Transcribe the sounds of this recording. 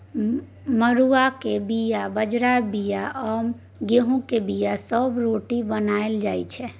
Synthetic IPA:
məɾuakebijabəd͡ʒɾabijaʔəm | ɡeɦũkebijasəbɾoʈibənaeld͡ʒajt͡ʃʰɛ

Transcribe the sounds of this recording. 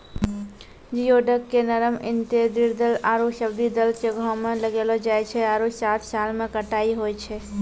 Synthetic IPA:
d͡ʒijoːɖəkːenəɾəmɪnt̪ed̪ɪɾd̪əlaːɾuʃəbd̪id̪əlt͡ʃeɡʱõmẽləɡeːlod͡ʒaːet͡ʃʰɛaːɾusaːt̪ʰsaːlmẽkəʈaːiɦoːet͡ʃʰɛ

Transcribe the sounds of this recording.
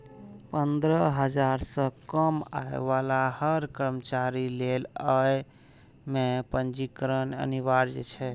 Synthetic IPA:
pənd̪ɾəɦəd͡ʒaɾsə̃kəma̰ḛʋalahəɾkəɾmət͡ʃaɾileləj | mepənd͡ʒikɾənə̰niβaɾd͡ʒḛt͡ʃʰɛ

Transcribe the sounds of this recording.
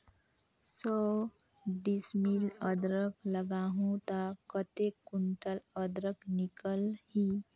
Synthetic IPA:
sə | ɖismiləd̪ɾəkləɡaɦũt̪akət̪ekːuɳʈələd̪ɾəknikəlhi

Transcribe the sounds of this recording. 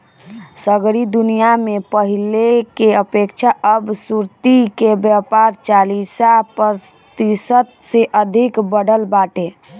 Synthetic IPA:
səɡɾid̪unijamepəɦilekeəpekt͡ʃʰaʔəbsuɾt̪ikebjapaɾt͡ʃalisapəɾ | t̪isət̪seʔəd̪ʱikbəɽəlbaʈe

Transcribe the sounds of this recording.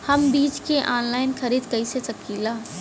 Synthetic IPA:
hɐmbiːt͡ʃkeʔaːnlaːɪnxɐɾiːd̪kɐisesɐkiːlaː

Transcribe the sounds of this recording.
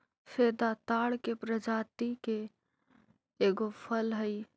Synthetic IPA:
fʰeːd̪at̪aːɽkepɾəd͡ʒaːt̪ike | eːɡopʰəlɦəi

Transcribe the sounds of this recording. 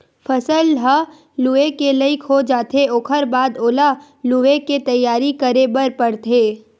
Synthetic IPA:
fʰəsəlɖʱa | luekeləɪkʰod͡ʒaːt̪eoːkʰəɾbaːd̪oːla | lueket̪ɐjːaːɾikəɾebəɾpɐɽt̪eː

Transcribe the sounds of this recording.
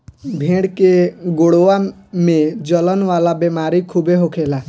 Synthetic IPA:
bʱẽːɽkeɡoɽoa | mẽd͡ʒələnʋaːlabemaːɾikʰubeɦokʰeːlaː

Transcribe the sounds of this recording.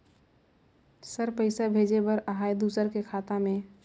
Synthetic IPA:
səɾpəɪsabʱeːd͡ʒebəɾəɦaːjd̪uːsəɾkekʰaːt̪amẽ

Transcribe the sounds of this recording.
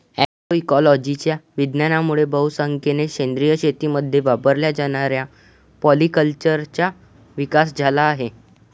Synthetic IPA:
ɛkoikɔlɔd͡ʑit͡ɕjaʋid̪njanamuɭebəɦusə̃ŋkeneɕend̪ɾijəɕet̪iməd̪ʱːjeʋapəɾljad͡zaɽ̃aɾja | pɔlikəlt͡ɕəɾt͡ɕja | ʋikasd͡zʱalaːɦe

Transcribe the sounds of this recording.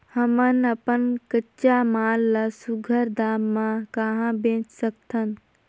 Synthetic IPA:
həmənəpənkət͡ʃamaːlːasuɡʱəɾd̪aːmːãkaɦãbẽːt͡ʃsəkt̪ʰən

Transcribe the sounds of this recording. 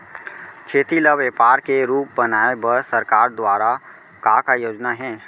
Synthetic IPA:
t͡ʃʰeːt̪iləʋeːpaːɾkeɾuːp̚bɐnaːebəɾsəɾkaːɾd̪waːɾa | kaːkajoːd͡ʒnaɦɛ̃ː

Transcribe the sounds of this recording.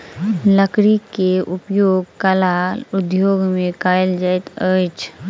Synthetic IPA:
ləkɾikeʔʊpjoːɡ̚kəlaʊd̪joːɡmẽkaːeld͡ʒaːjt̪ət͡ʃʰ

